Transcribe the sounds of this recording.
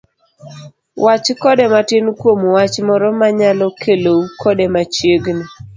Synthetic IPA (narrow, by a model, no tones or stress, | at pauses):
wʔat͡ʃkɔdɛmatɪnkwomwat͡ʃmɔɾɔmaɲalɔkʰeloukʰɔdemat͡ʃjeɡni